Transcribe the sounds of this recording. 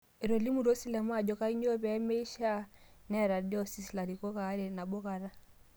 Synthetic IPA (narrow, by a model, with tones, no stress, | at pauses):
ɛ˨ɾɔ˨li˦mu˨ɾɔ˦si˦lɛ˨ma˦˨d͡ʒɔ˦ka˦i˦ɲɔ˦βɛ˨˦mɛ˦i˦ʃa˦nɛ˦ɾa˨di˦ɔ˦si˨sla˨ɾi˨kɔ˦ka˨˦ɾɛ˨na˨ɓɔ˦ka˨ɾa˦